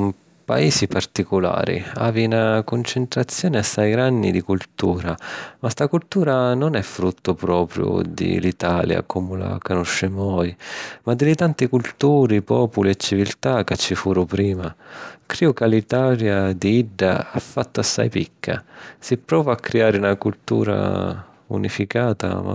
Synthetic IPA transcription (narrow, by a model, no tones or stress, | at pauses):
m | pa̰iːsipart̪ikʊla̰ːɾḭa̰ːvinakʊnt͡ʃent̪ɾat̪sːjɔːnɪasːajɡɾanːḭd̪ikult̪uːɾamast̪akult̪uːɾanʊnɛfːɾut̪ːʊpɾɔːpɾjʊ̰d̪ɪ̰lit̪aːlja̰komʊla̰kanɔʃːɛmɔjmad̪ːɪlɪt̪ant̪ikult̪uːɾipɔːpʊliɛt͡ʃːivilt̪akat͡ʃːifuːɾʊpɾiːmakɾiːukalit̪aːɾjad̪iiɖːaafːat̪ːʊasːa̰jpikʰːa̰sipɾɔːvaakːɾiaːɾɪunakult̪ṵːɾa̰ | ṵnifikaːt̪a̰ma̰